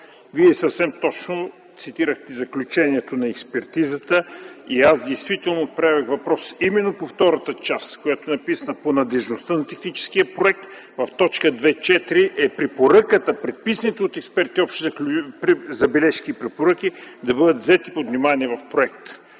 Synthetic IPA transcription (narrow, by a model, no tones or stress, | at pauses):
viɛsɐfsɛmt̪ɔt͡ʃno | t̪sit̪iɾəxt̪ɛzɐklʲut͡ʃɛniɛt̪onɐɛkspɛɾt̪izət̪əiasd̪ɛjst̪vit̪ɛlˠnoːt̪̚pɾavʲiɣvɐpɾɔsimɛnːopoft̪ɔɾət̪ət͡ʃaskojat̪onɐpisənəponɐd̪lɛʒnost̪ənɐt̪ɛxnit͡ʃɛ̥sk̟ijəpɾoɛk̚t̪ | vɐft̪ɔt͡ʃkəd̪vɛt͡ʃɛt̪ɾiʔɛpɾɛpoɾəkət̪əpɾɛt̪̚pisɐnit̪ooːt̪ɛkspɛɾt̪iɔpʃt̪ɛkpɾɛzɐbɛlɛʃkipɾɛpoɾək̟id̪ɐbɤd̪ət̪vzɛt̪i̥pod̪vnimaniɛvɐfpɾoɛk̚t̪